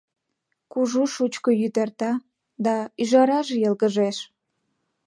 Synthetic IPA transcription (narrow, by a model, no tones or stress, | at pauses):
kuʒuʃut͡ɕkojyt̪ert̪ɑ | d̪ɑyʒɑɾɑʒejəlɣəʒeʃ